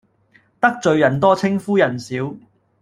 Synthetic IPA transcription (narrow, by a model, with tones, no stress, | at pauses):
t̪ɐ˥k̚t͡ʃɵ˨˧ɥjɐ˨˩nt̪ɔː˥t͡sʰɪ˥ŋfuː˥jɐ˨˩nsiː˨˥w